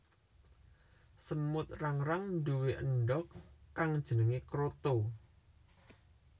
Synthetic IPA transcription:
səmʊt̪̚raŋɾaŋnduweʔəɳɖɔkːaŋd̥ʒ̥ənəŋekɾot̪o

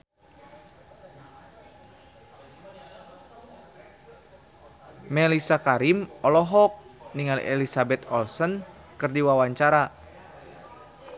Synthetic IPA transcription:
mɛlisakaɾimɔlɔɦɔk̚niŋal̰ʔḛlisabɛt̪ɔlsən | kɨrdiwawaɲt͡ʃaɾa

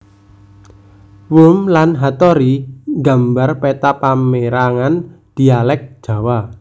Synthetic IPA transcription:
wumlanɦat̪ɔɾiŋɡa̤mbarpet̪apameɾaŋand̪̥i̤alɛk̚d̥ʒ̥a̤wa

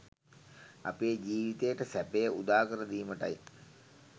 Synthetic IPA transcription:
a̰peːd͡ʒiːʋit̪ejəʈəsæpejəud̪aːkəɾəd̪iːməʈɐj

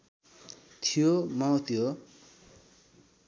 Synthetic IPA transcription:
t̪ʰijomaot̪ʰijo

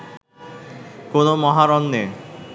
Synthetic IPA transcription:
konomɔɦaɾɔnːe

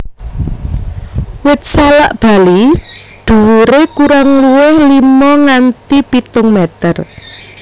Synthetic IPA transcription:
wɪt̪̚sala̰ʔb̥a̤lid̪̥ṳwuɾekuɾaŋluwɪhlimɔŋant̪ipit̪ʊŋmet̪ər

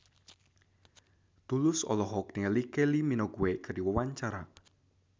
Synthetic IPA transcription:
t̪ulʊsɔ̰lɔɦɔk̚niəlikeliminɔɡuwekəɾiwəwaɲt͡ʃaɾa

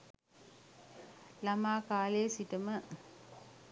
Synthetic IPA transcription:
lamaːkaːleːsiʈəmə

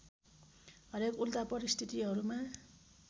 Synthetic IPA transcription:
ɦʌɾekult̪apʌɾist̪ʰit̪iɦʌɾuma

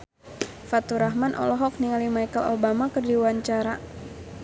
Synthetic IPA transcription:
fat̪uɾaɦmanʔɔ̰lɔɦɔk̚niŋalimajkəlobamakɨrdiwaɲt͡ʃaɾa

